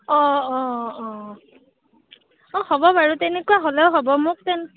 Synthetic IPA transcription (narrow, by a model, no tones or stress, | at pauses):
ɔ̃ɔ̃ɔ̃ | ɔ̃hɔbɔbaɹutɛnɛkuwaɦolɛʊɦɔbɔmʊk̚tɛn